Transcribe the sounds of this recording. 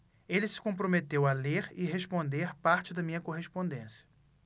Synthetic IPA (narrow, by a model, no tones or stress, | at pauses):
elɪsɪ̥kõpɾomet̪ewɐleɾɪɦeʃpõnd̪eɾpaɾt͡ʃɪd̪ɐmĩɲɐkoɦeʃpõnd̪ẽsijɐ̥